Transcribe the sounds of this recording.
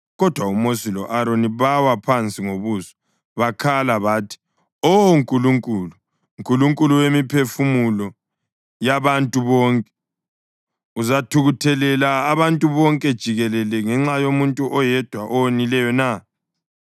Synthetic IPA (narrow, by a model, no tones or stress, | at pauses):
ɣɔd̥ʱwaumosilɔ̰ʔaɾoniβawapʰant͡sʼiŋoβuːsɔ̥ | βakʰalaβaːtʰi̥ | oŋkʼuluŋkʼuːlu | ŋkʼuluŋkʼuluwemipʰefumulɔ | jaβantʼuβɔːŋkʼɛ | uzatʰuɣutʰɛlɛlaːβantʼuβɔŋkʼɛd̥ʒ̥ʱiɣɛlɛlɛŋɛŋ͡ǁajomuntʼuʔɔjɛd̥ʱwaʔɔwonilɛjɔna